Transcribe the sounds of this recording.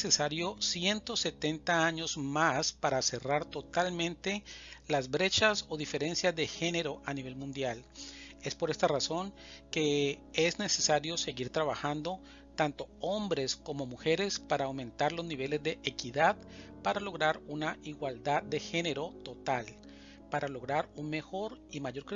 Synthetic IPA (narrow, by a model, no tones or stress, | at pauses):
sesaɾjo̞sje̞nt̪o̞se̞t̪e̞nt̪aaɲo̞zmaspaɾase̞raɾt̪o̞t̪almẽ̞nt̪e̞lazbɾe̞t͡ʃaso̞ðife̞ɾe̞nsjazðe̞xe̞ne̞ɾo̞ʔaniβ̞e̞lmũnd̪jale̞spo̞ɾe̞st̪araso̞ŋ | ke̞ezne̞se̞saɾjose̞ɣiɾt̪ɾaβaxand̪o̞ | t̪ant̪o̞o̞mbɾesko̞mo̞muxe̞ɾe̞spaɾaːwmẽ̞nt̪aɾlo̞zniβe̞le̞zd̪e̞ʔekiðaðpaɾalo̞ɣɾaɾunaʔiɣwald̪ad̪ːe̞xe̞ne̞ɾo̞t̪o̞t̪al | paɾalo̞ɣɾaɾunme̞xo̞ɾimaʝo̞ɾkɾ